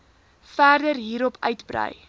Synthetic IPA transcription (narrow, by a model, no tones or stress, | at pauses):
fæːrdərɦiːɾɔpʰœɥtbrə̰j